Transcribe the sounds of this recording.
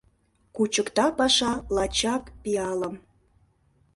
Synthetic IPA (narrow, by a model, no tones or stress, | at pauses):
kut͡ɕəkt̪ɑpɑʃɑlɑt͡ɕɑkpiɑləm